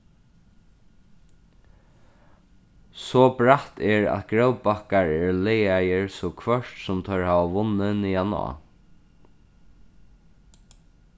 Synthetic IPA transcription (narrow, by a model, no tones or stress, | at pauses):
sɔːbɹaht̪ɛɹa̰ðɡɹœwbakaɹɛɹlɛːajəɹsɔkʰvœʂt̪sʊmt̪ʰœɹhaːʋaʋʊnːənijanʊ̰a̰